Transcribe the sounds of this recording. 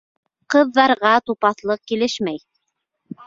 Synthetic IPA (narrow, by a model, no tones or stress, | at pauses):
qɤ̆ðːɑɾʁɑt̪upɑθlˠɤq̚kilɘʃmæj